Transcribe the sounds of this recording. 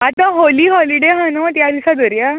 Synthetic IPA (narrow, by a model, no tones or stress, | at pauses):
at̪ãɦoliːɦɔliɖeɦanot̪jad̪isad̪əɾja